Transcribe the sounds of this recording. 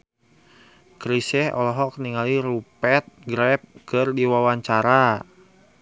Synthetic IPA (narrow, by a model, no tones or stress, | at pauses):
kɾisɛhɔ̰lɔɦɔk̚niŋaliɾupɛt̪̚ɡɾɛp̚kɨrdiwawaɲt͡ʃaɾa